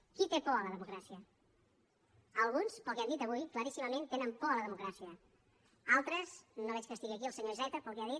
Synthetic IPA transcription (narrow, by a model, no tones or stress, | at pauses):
kit̪epɔələðəmukɾasiə | əlˠɣunspəlˠkɛand̪it̪əβujkləɾisiməmẽnt̪enəmpɔələðəmukɾasiə | alˠt̪ɾəznoβɛt͡ʃkəst̪iɣiəkiəlˠsəɲoizɛt̪əpəlˠkɛaðit̪̚